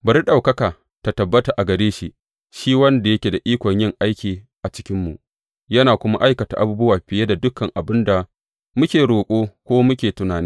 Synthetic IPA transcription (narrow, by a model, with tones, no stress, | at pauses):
bɐ˨ɾi˦ɗa˨wkɐ˦kaː˨ | ta˨tɐ˨bːɐ˦ta˨ʔa˨ɡɐ˨ɾeː˦ʃi˦ | ʃiː˦wɐ˦nda˨jɐ˦kʲe˨da˨ʔiː˦kʷɔ˨ɲjɪ˦˨ŋʔa˦jkʲiː˨ | ʔa˨t͡ʃɪ̥˦kʲɪ˦mːu˨ʔ | jɐ˦naː˨kʷʊ˦ma̰˦ʔa˦jkɐ˨ta̰˨ʔa˦buː˦bʊ˦waː˨ɸɪ˨je˦da˨dʊ˦kɐ˨ŋʔa˨bɪ˦nda˨ | mʊ˦kʲeː˨ɽoː˨kʷʼoː˦kʷoː˦mʊ˦kʲeː˨tʊ˦naː˨neː˦